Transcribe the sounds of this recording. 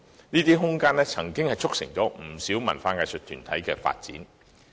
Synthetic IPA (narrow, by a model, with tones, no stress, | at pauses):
niː˥t̪iː˥ɦʊ˥ŋkaː˥nlɛ˥t͡sʰɐ˨˩ŋkɪ˥ŋhɐ˨jt͡sʰʊ˥k̚sɪ̰˨˩ŋt͡sɔː˨˥m̩˨˩siː˨˥wmɐ˨˩nfaː˧ŋaː˨˧jsɵ˨t̪ʰyː˨˩nt̪ʰɐ˨˥jkɛː˧fa̰ː˧t̚t͡sḭː˨˥n